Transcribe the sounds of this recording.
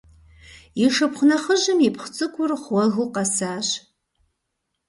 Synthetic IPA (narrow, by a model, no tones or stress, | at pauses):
iʂɨpχʷʊnɐχəʒɨmipʰχʷt͡sʼɨkʷʰʼʊrχwɐɣɨqɑsaːɕ